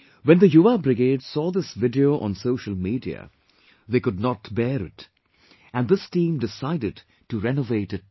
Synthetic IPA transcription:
wɛ̃nd̪əjuabɾɪɡeːdsɔːðɪsvɪdioʔɔ̰̃nsoʊʃəl̩ˠmiːdiə̰ | ðeːkʊdnɔtbɛːɾɪ̰t | æ̃nd̪ɪstĩːmdɪsaɪdɨd | tuɾɛnoveɪtɨt̚

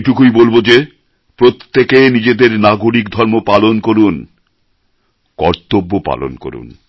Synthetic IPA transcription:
ʈukujbolbod͡ʑe | pɾot̪ːekenid͡ʑed̪eɾnaɡoɾikd̪ʱɔɾmopalonkoɾun | kɔɾt̪obːopa̰lo̰nko̰ɾṵn

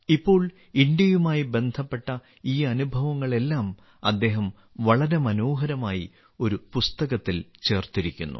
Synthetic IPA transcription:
ipːo̞ːɭ | iɳɖjɐjumaːjibe̞nd̪ʱɐpːe̞ʈːɐ | iːɐnubʱɐʋɐŋːɐɭe̞lːaːm | ɐd̪ːe̞ːɦɐm | ʋɐɭɐɾe̞mɐno̞ːɦɐɾɐmaːji | o̞ɾupust̪ɐɣɐt̪ːilt͡ɕe̞ːrt̪iɾikʲːṵnːṵ

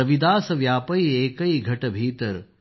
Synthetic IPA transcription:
ɐʋid̪aːsɐʋjaːpɐieːkɐiɡʱɐʈɐbʱiːt̪əɾ

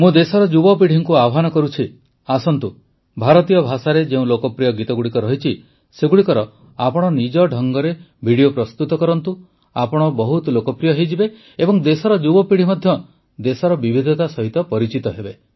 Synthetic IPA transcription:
mũd̪esɔɾɔd͡ʒubɔpiɽ̤iŋkuabɔɦanɔkɔɾut͡ʃʰi | asɔnt̪u | bʱaɾɔt̪ijɔbʱasaɾed͡ʒeũlokɔpɾijɔɡit̪ɔɡuɽikɔɾɔɦit͡ʃʰi | seɡuɽikɔɾɔ | apɔɽ̃ɔnid͡ʒɔɖʱɔŋɡɔɾe | bʱiɽijopɾɔst̪ut̪ɔkɔɾɔnt̪u | apɔɽ̃ɔbɔɦut̪lokɔpɾijɔɦejd͡ʒibe | ebɔŋd̪esɔɾɔd͡ʒubɔpiɽ̤imɔd̪ʱjɔ | d̪esɔɾɔbibʱid̪ʱɔt̪asɔɦit̪ɔpɔɾit͡ʃit̪ɔɦebe

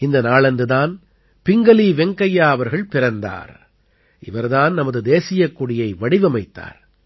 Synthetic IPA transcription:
ɪnd̪ɐnaːɭɐndɯðaːn | pɪŋɡɐliːʋɛŋkɐjaːɐʋɐɾɣɐɭpɪɾɐnd̪a̰ːɾ | ɪʋɐɾðaːnnɐmɐðɯd̪eːsɪjɐkːʊɽɪjɐɪʋɐɽɪʋɐmɐɪt̪ːa̰ːɾ

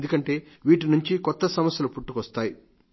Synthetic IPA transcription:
nd̪ukɐɳʈe̞ː | ʋiːʈinuɲt͡ʃikɔt̪ːɐsɐmɐsjɐlupuʈːukʋɐst̪aːji

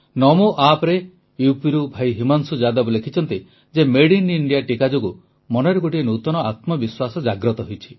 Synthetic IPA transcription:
nɔmuʔapɔɾe | jupiɾubʱajɦimansud͡ʒad̪abɔlekʰit͡ʃʰɔnt̪i | d͡ʒemeɽiniɳɖijaʈikad͡ʒoɡu | mɔnɔjɾɔɡoʈienut̪ɔnɔat̪mɔbiswasɔd͡ʒaɡɾɔt̪ɔɦojt͡ʃʰi̥

